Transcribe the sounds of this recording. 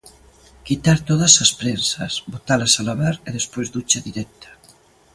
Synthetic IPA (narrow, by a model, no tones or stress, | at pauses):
kit̪aɾt̪oðasaspɾensasbot̪alasalaβaɾeð̞espwezðut͡ʃaðiɾɛk̚t̪ʰḁ